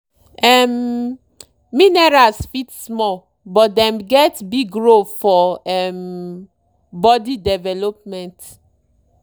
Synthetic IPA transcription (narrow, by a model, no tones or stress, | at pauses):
ɛm | inɛɹalsfitsmɔ | bɔt̚dɛ̃mɡɛtbiɡɹofɔɛm | bɔdidɛvɛlopmɛ̃nt